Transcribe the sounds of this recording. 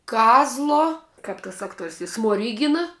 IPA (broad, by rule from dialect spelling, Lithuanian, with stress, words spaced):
ˈkɑːzlˠoː ˈkɐp tɐs ˈɑːkˌtuɔrʲsʲ ɪ smoːˈrʲiːɡʲɪnɐ